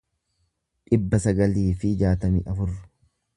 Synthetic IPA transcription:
ᶑɪbːɐsɐɡɐliːfɪd͡ʒaːt̪ɐmḭːʔɐfʊrːʊ̥

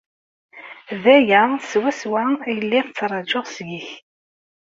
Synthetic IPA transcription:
ðæjæswæswæjəlːɪðt͡sːɾˤɑd͡ʒoʁsjiç

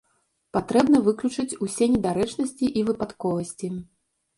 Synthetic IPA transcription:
pat̪ɾɛbn̪ɐvɨklʲut͡ʂɨt͡sʲusʲeɛnʲɛd̪aɾɛt͡ʂnɐsʲt͡sʲiʔivɨpat̪kɔvɐsʲt͡sʲi

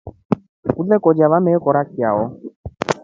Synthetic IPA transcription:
ud̪ɛkɔd͡ʒaβamɛkɔɾak̚jaɔ

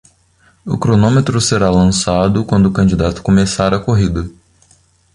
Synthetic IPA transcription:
ʊkɾonõmet̪ɾʊseɾalɐ̃sad̪ʊkwɐ̃nd̪ʊːkɐ̃d͡ʒid̪at̪ʊ̥komesaɾɐkoɦid̪ɐ

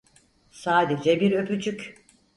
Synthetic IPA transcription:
saːd̪ed͡ʒɛbiɾø̞pyt͡ʃʰyc

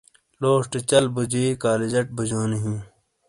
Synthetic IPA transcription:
loːʂʈet͡ɕɐlbud͡ʑiːkaːlid͡ʑɐʈ̚bud͡ʑoːniɦĩː

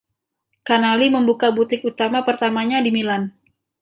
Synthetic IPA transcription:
kanaliməmbukabut̪ɪk̚ut̪amapərt̪amaɲadimilan

